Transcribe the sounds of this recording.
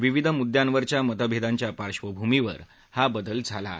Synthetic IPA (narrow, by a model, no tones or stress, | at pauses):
ʋiʋid̪ʱmud̪jãnʋəɾt͡ɕjamət̪əbʱed̪aɲt͡ɕjapaɾɕʋəbʱumiʋə̰ɾ | habəd̪əld͡zʱala̰